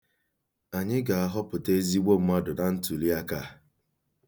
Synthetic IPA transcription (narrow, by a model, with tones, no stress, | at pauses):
a˨ɲɪ˦ɡa˨a˦ɦɔ˦pʊ˨te˦zi˦ɡ͡bo˦m̩˦ma˦dʊ˨na˦n̩˦tu˨li˦a˦ka˦˨